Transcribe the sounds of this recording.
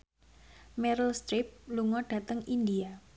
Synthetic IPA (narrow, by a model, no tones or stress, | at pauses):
mɛɾəlst̪ɾip̚luŋɔɖ̥ä̤t̪əŋindia